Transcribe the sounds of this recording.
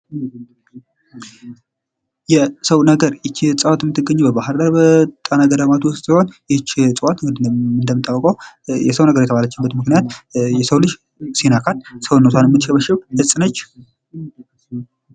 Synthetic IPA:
jɛsəwnəɡəɾjɪt͡ʃːt͡sʼɨwat̪jɛmːɨt̪ːɨɡːəɲːubəbaɦɨɾd̪əɾbət̪ʼanaɡəd̪əmat̪ʰwʊst̪t̪iho̞njɪt͡ʃːt͡sʼɨwat̪d̪ɨnd̪əmɨnt̪ʼːawːəkʼəwjɛsəwnəɡəɾjɛt̪əβalat͡ʃːɪbət̪mɨknijat̪jɛsəwlɨʃ | senakʰalsəwnot̪ʰanjɛmːɨt̪ːʃɛβəʃɛwhɨsʼɨnət͡ʃː

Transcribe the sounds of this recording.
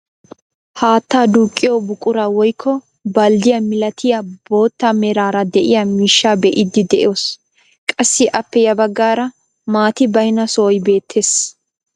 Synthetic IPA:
haːt̪ːaːd̪uːkʼːɪjoːbʊkʼːʊɾawɔjkʰːɔ | bɐld̪ɪjɐmɪlɐt̪ʰɪjɐbo̞ːt̪ːamɛɾaːɾɐd̪ɛʔɪjɐmiːʃːaːbɛʔɪd̪ɪd̪ɛʔɪ̰jo̞ːs | kʼɐsːɪʔɐpːɛjɐbɐɡːaːɾɐ | maːt̪ɪbɐjnɐsoːjbe̞ːt̪ʰːeːs

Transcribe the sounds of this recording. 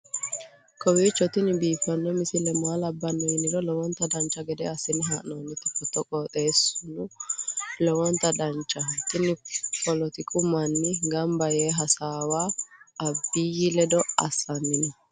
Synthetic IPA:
kʰʼɔwiːt͡ʃːɔt̪ɪnɪbiːfɐnːɔmɪsɪlɛmaːlɐbːɐnːɔjɪnːɪlɔlɔwɔnt̪ɐd̪ɐnt͡ʃːɐɡɛd̪ɛɐsːɪnɪɦaːʔnoːnːɪt̪ːɪfɔt̪ːɔkʼɔːt̪ʼe̞ːsʊnʊ | lɔwɔnt̪ɐd̪ɐnt͡ʃʼːɐt̪ɪnɪfʰɔlɔt̪ɪkʼʊmɐnːɪɡɐmbɐjeːɦɐsaːwaː | bːijɪlɛd̪ɔɐ̰sːɐnːɪnɛ

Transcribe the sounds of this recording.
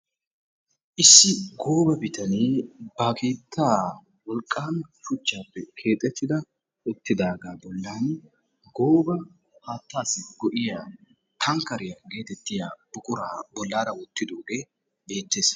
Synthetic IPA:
ʔɪsːɪɡo̞ːbɐbɪt̪ɐniːbakʰeːt̪ʰːaː | wɔlkʼːaːnʃʊt͡ʃːaːpːɛkʰe̞ːt̪ʼːɛt̪ːɪd̪ɐ | ʊt̪ːɪd̪aːɡaːbɔlːaːn | ɡo̞ːbɐ | haːt̪ːaːsɪɡɔʔɪja | t̪ʰɐŋkɐɾɪjɐɡe̞ːt̪ɛt̪ːɪjab̥ʊkʼʊɾabɔlːaːɾɐwʊt̪ːɪd̪oːɡeː | be̞ːt̪ːe̞ːs

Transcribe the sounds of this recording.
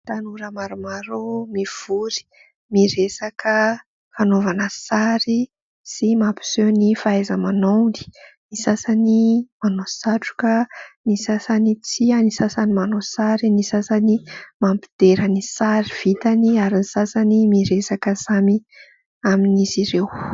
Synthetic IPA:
t̪anuɾəmaɾumaɾomiv̥uɾi̥ | miɾesakə | fanovanəsaɾi | simapi̥senifaazəmanondi̥nisasanimanosaʈ͡ʂu̥kənisasanit͡sianisasanimanosaɾinisasanimampi̥d̪̥eɾənisaɾiv̥it̪aniaɾinisasanimiɾesakəzami | aminiziɾew

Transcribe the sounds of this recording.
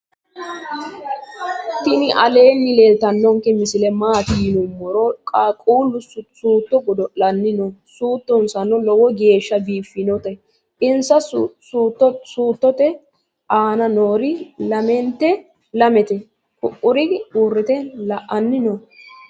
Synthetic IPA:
t̪ɪnɪʔɐle̞ːnːɪleːlt̪ɐnːɔŋkːɛmɪsɪlɛmaːt̪ɪjɪnʊmːɔɾɔkʼakʼuːlːʊsuːt̪ːɔɡɔd̪ɔlɐnːɪnɔsuːt̪ːɔnsɐnːɔlɔwɔɡe̞ːʃːɐbiːfːɪnɔt̪ɛ | ʔɪnsɐsst̪ːɔsuːt̪ːɔt̪ɛ | aːnɐnoːɾɪlɐmɛnt̪ːɛ | lɐmɛt̪ɛ | kʊʔːʊɾɪurːɪt̪ɛlɐʔɐnːɪnɔ

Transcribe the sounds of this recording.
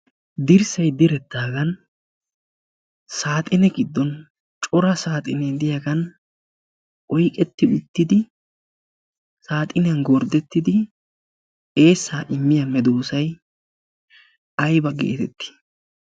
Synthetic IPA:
d̪ɪɾsɐjd̪ɪɾɛt̪ːaːɡɐn | saːt̪ʼɪnɛɡɪd̪ːɔn | t͡ʃʼɔɾɐsaːt̪ʼɪnɛd̪ɪjaɡɐn | ʔɔjkʼɛt̪ːɪʊt̪ːɪd̪ɪ | saːt̪ʼɪnɪjɐnɡɔɾd̪ɛt̪ːɪd̪ɪ | e̞ːsːaːʔɪmːɪjɐnmɛd̪oːsɐj | ɐjbɐɡḛːt̪ɛt̪ːɪ̥

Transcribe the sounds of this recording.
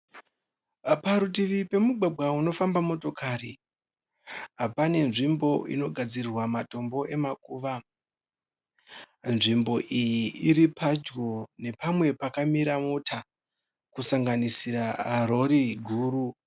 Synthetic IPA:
paɾut̬iʋipe̞muɡʱwaɡ͡bwauno̞fambamo̞to̞kaɾi | ɦapane̞nʐimbo̞ḭno̞ɡʱad͡zirirwamato̞mbo̞ʔe̞makuːʋa | nʐimbo̞ʔijiiɾipʰad͡ʒɡo̞ne̞pamwe̞pakamiɾamotʰa | kusaŋɡanisiɾaaɾo̞ɾiɡʱuːɾu

